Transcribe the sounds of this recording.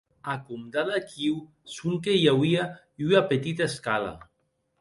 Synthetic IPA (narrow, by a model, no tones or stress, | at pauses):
akumd̪aðakiw | suŋkejawia | yapet̪it̪aeskala̰